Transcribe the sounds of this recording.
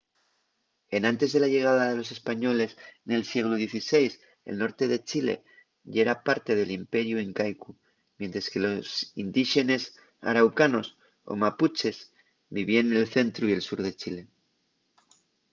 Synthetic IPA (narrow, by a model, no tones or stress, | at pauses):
e̞nãnt̪e̞zðe̞laʝe̞ɣ̞aðaðe̞lo̞se̞spaɲo̞le̞sne̞lsjeɣluðje̞θise̞js | e̞̰lno̞ɾt̪e̞ðe̞t͡ʃile̞̰ | ʝeɾapaɾt̪e̞ð̞e̞limpe̞ɾjuiŋkajku | mje̞nt̪ɾeske̞lo̞sind̪iʃe̞ne̞s | a̰ɾawkano̞s | o̰maput͡ʃe̞z | biβ̞ienelθe̞nt̪ɾuie̞lsuɾðe̞t͡ʃile̞